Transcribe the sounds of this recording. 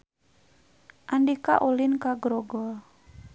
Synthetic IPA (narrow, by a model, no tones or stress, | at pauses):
ʔandika̰ʔulinkaɡɾɔɡɔ